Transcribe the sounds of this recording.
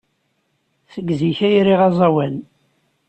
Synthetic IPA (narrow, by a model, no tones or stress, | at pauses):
θəɡziçæjɾiʁɑzˤɑwæn